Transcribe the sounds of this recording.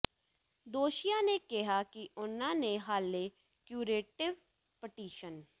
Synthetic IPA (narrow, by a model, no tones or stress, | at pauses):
d̪oːʃijanekɪɦaːkiʔʊnãːneɦaːle | kjuːɾeːʈɪʋ | pɪʈiːʃən